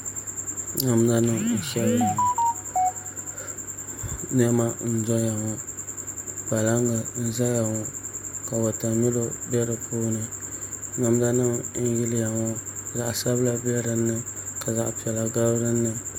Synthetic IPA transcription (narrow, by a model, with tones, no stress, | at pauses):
ŋa˨m˦za˦nɨ˦m̩˨ʃɛ˦ba˨ | n˦ɛ˦ma˦n̩˦zɔ˦ja˨ŋɔ˦ | pa˨la˦ŋɡa˨n̩˦za˦ja˨ŋɔ˦ka˨wɔ˨ta˨mi˦lo˦bɛ˦ɾɨ˨pʰuː˦nɨ˨na˨m˦da˦nɨ˦mn̩˦jɪ˦lja˨ŋɔ˦za˨ʔa˨sa˦bla˦bɛ˦ɾɨ˨nːɨ˦ka˨za˨ʔpi˨ɛ˨la˨ɡa˦bɾɨ˦nːɨ˦